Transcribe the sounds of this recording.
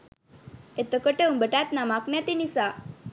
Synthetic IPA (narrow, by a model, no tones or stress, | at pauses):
et̪əkəʈeumbəʈat̪namaknjat̪inisa